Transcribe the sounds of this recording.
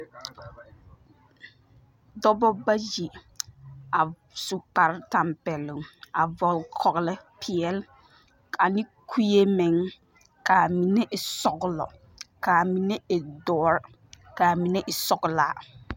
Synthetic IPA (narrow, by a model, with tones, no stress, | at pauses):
dɔ˦bɔ˦ba˦ji˨ | a˨ | su˨k͡pa˨ɾta˨mpɛ˨lɪ˨ŋa˨vɔ˨lkʰɔ˨ɣlɪ˦pʰɪ˨ɛ˨l | kʰa˨nɪ˦kʰu˦je˦mɛ˨ŋ | ka˨mi˨nɛ˦ʔɪ˨sɔ˨ɡʊ˨lɔ̰˨ | kaː˨mi˨ne˦e˨dɔː˨˦ɾ | kaː˨mi˨nɛ˦ʔɪ˨sɔ˨ɡʊ˨laː˨˦